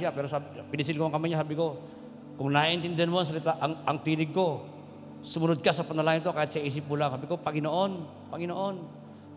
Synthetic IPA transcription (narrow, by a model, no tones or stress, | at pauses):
iapɛɾosabpinis̬ilkoaŋkamaɲasabiko | kʊŋnaint̪ind̪nmons̬alit̪aʔŋaŋt̪iniɡ̚ko | sumuɾʊd̪̚kasapanalaint̪okajit̪̚sais̬ipulaŋsabikopaɡinoʔɔn | paŋinoʔɔn